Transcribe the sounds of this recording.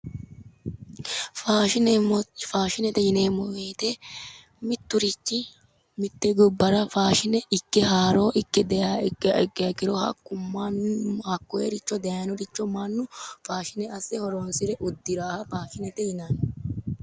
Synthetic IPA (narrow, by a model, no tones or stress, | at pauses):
faːʃɪnfaːʃɪnɛt̪ɛjɪneːmːɔweːt̪e | mɪt̪ːʊɾɪt͡ʃːɪ | mɪt̪ːɛɡʊbːɐɾɐfaːʃɪnɛʔɪkːɛɦaːɾoːʔɪkːɛd̪ɛakːɐkːɪɾohɐ̰kːʊmːanhɐkːɔeɾɪt͡ʃːɔd̪ejɐnɔɾɪt͡ʃːɔmanːʊfaːʃɪnɛɐsɛhɔɾoːnsɪɾɛʔʊd̪ːɪɾaːhɐfaːʃɪnɛt̪ɛjɪnan